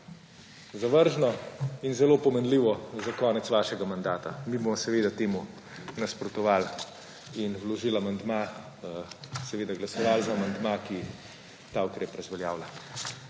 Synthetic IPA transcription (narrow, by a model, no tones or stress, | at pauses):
zaʋəɾʒnɔinzɛlopɔmɛnd̪liːʋɔzakɔːnɛt̪sʋaːʃɛɡamand̪aːt̪amibɔmɔsɛʋed̪at̪eːmu | naspɾɔt̪ɔʋal | inwlɔʒiːlamand̪ma | sɛʋeːd̪aɡlasɔʋalzaːmand̪maki | t̪aukɾɛpɾɐzʋɛljaːwla